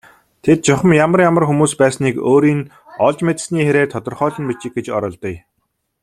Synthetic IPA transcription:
t̪ʰet̪̚t͡ɕɔχə̆mjamə̆rjamə̆rxumuːspæːsniːkoːɾiːn | ɔɮt͡ɕmet̪̆sniːxeɾeːrt̪ʰɔt̪ɞ̆rχœːɮɞ̆npit͡ɕɪ̆k̚ɡet͡ɕɔ̰ɾɞːɮt̪ɞ̆j

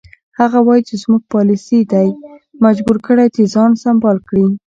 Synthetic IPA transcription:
haɣawɑjit͡ʃezmuɡ̚pɑlisid̪ajmad͡ʒbuɾkəɽajt̪ezɑnsambɑlkɽi

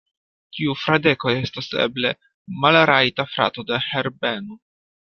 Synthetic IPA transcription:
tiufɾade̞koje̞stasḛble̞̰ | malɾaitafɾa̰to̞de̞heɾbe̞no

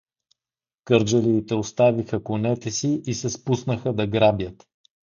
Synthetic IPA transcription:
kɤɾd͡ʒəliːt̪ɛost̪avixəkʊnɛt̪ɛsiʔisɛspusnəxəd̪ɐɡɾabʲjət̪

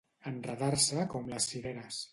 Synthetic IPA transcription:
ənrəðaɾsəkɔmləsfiβɛɾəs

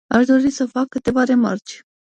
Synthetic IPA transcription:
aʃd̪o̞ɾisəfakːɨt̪e̞vaɾe̞ma̰rt͡ʃ

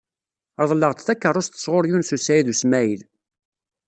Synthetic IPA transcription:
əɾðˤlːəʁt͡sθækːərˤʊst̪ə̥sʁoɾjunsusæjiðusmæjil

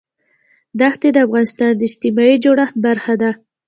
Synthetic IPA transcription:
d̪axt̪ed̪əafɣɑnɪst̪ɑnd̪əɪst̪ɪmɑid͡ʒoɽaxt̪̚baɾxad̪a

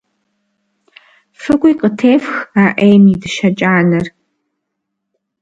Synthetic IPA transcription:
fɨɡʷiqətʰeːfxaːʔeːmidɨʃɐt͡ʃʼaːnɐr

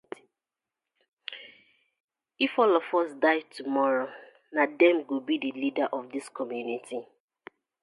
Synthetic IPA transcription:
ifɔlɔfɔsdaɪtʰumɔɹo | nadɛ̃mɡubidɨlidaʔɔfdɪskɔmjunitʰi

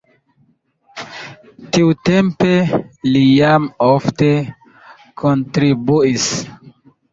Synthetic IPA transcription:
tiutempelijamofte | kʰontɾibuis

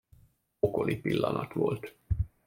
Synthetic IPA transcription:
oko̞lipilːɒnɒt̪ʋolt̪

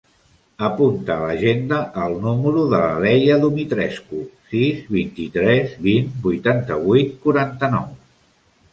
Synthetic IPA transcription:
əpunt̪əːləʒend̪əʔəlˠnuməɾuðələlɛjəðumit̪ɾɛskusizβint̪it̪ɾɛzβinbujt̪ant̪əβujt̪̚kuɾant̪ənɔ̰w

